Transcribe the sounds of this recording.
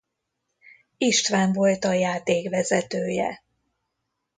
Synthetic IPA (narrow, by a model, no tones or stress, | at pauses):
iʃt̪ʋaːɱvo̞lt̪ɒjaːt̪eːkvɛzɛt̪øːjɛ̰